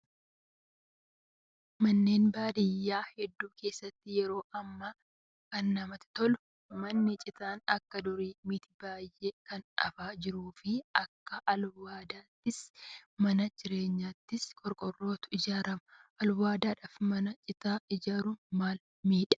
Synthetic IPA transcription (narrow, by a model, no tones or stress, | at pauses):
mɐnːe̞ːnbaːd̪ɪjːaːhɛd̪ːuːkʰe̞ːsːɐt̪ːɪjɛɾo̞ːʔɐmːa | kɐnːɐmɐt̪ɪ̥t̪ɔlʊ | mɐnːɪt͡ʃʼɪt̪aːnɐkːɐd̪ʊɾiːmit̪ɪbaːjʔekɐnɐ̰faːd͡ʒɪɾuːfɪɐkːɐʔɐlwaːd̪aːt̪ːɪsmɐnɐd͡ʒɪɾe̞ːɲːaːt̪ːɪskʼɔɾkʼɔrːo̞ːt̪ʊ̥ɪd͡ʒaːɾɐmɐʔɐlwaːd̪aːᶑaːfmɐnɐt͡ʃʼɪt̪aːɪd͡ʒaːɾuːmaːl | miːᶑɐ̥